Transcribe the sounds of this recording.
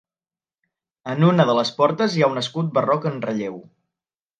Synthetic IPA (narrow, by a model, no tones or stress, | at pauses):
ənunəðələspɔɾt̪əzjawnəskut̪̚bərɔkənrəʎew